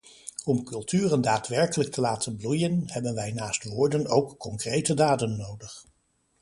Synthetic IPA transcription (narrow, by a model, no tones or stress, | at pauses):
ɔmkɵlˠtyːrəndaːtʋɛɹkələk̚tʰəlaːtʰənblujənhɛbənʋɛjnaːstʋʊːɹdənowkːɔŋkrejtədaːdənːowdəχ